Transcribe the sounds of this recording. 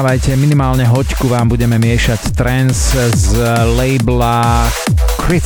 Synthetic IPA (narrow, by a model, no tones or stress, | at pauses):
ʋajcɛminimaːlɲɛɦɔckuʋaːmbuɟɛmɛmɪɛʃact̪ɾɛnzzlɛɪbla | kɾi